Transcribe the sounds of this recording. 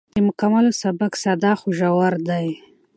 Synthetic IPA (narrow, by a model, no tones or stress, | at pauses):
d̪̥əmʊkamalosabaksad̪ɑxoʒawaɾd̪aj